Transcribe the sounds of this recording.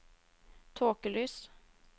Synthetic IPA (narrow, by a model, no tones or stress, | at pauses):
t̪ʰoːkəlyːs